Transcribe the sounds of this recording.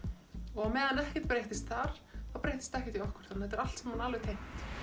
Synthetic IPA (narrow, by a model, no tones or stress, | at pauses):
ɔɣamɛːðanɛhcɛt̪̚pɾejht̪ɪst̪θaɾ̥θawpɾejht̪ɪ̥st̪ɛhcɛt̪iɔhkʏɾ̥θanːahɛt̪ɛɾal̥t̪sɛmhanaːlvɪt̪ʰejm̥t̪